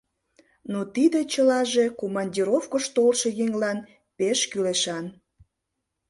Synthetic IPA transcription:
not̪id̪et͡ɕəlɑʒe̽komɑnʲdʲiɾofkəʃt̪olʃe̽jeŋlɑn | peʃkyleʃɑn

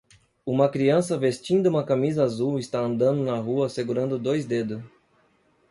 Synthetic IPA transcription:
ũmɐkɾiɐ̃sɐvest͡ʃĩnd̪ɐũmɐkamizɐazuwist̪aɐ̃nd̪ɐ̃nd̪ʊnɐɦuɐseɡuɾɐ̃nd̪ʊd̪ojzd̪ed̪ʊ

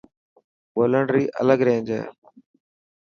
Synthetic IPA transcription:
boːləɳɖɾiːʔə̰ləɡɾẽːnd͡ʒḛː

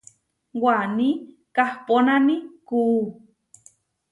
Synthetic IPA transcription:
wani | kahponamiku

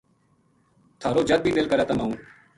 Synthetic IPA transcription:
t̪ʰaːɾoːd͡ʒəd̪̚biːd̪ɪlkəɾaːt̪amaːũː

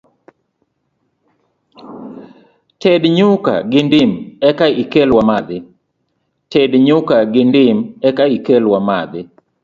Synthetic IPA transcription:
tʰɛdɲʊka̰ɡɪndɪmɛkaikelwamad̪ɪ | tɛdɲʊkaɡɪndɪmɛkaikelwamad̪ɪ

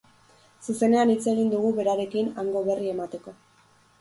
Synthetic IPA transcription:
suse̞ne̞anit͡se̞ɣ̞ind̪uɣuβe̞ɾaɾe̞kinaŋɡo̞βe̞rie̞mat̪e̞ko̞

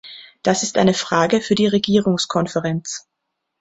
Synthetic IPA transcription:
d̥asɪstʔa̰ɪnəfʁ̥aːɡəfyːɐdiːʁeɡiːʁʊŋskʰɔnfəʁɛnt͡s

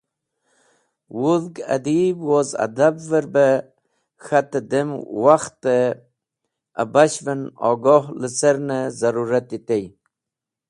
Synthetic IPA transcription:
wuðɡa̰d̪ibwoza̰d̪abvəɾbə | xat̪əd̪emwaxt̪ə | a̰baɕvənɔ̰ɡoɦləseɾnəzaɾuɾat̪it̪ej

